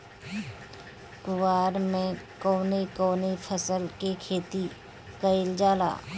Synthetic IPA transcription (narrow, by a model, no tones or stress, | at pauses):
kʊwaːɾmẽkoːnekoːnepʰəsəlkekʰeːt̪i | kəɪld͡ʒaːla̰ː